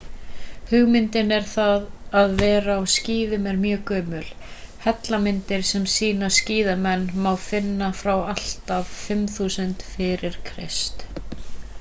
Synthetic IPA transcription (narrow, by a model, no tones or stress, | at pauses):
hʏɣmɪnt̪ɪnɛɾ̥θaðaðvɛːɾaawsciːðʏmɛɾmjœːkœːmʏl | hɛt̪lamɪnt̪ɪɾ̥sɛmsiːnasciːðamɛnːmawfɪnːafɾawal̥t̪av̥fɪmθuːsʏnt̪fɪɾɪɾ̥kʰɾɪ̰st̪